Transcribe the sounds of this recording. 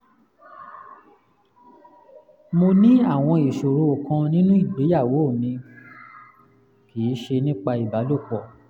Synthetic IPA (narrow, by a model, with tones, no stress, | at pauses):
mo˧nĩ˦a˦˨w̃ɔ̃˧i˨ʃo˨ɾo˧o˨kã˧nĩ˦nũ˦i˦˨be˨˦ja˦˨wo˨˦˨mĩ˧ | ki˨˦ʃe˧nĩ˦k͡pa˧i˨ba˨˦lo˦˨k͡pɔ˨